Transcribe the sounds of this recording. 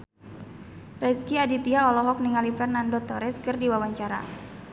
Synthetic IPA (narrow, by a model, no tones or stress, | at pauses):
rɛskiadit̪iaɔlɔɦɔk̚niŋalifɛrnandɔt̪ɔɾɛskərdiwawaɲt͡ʃaɾa̰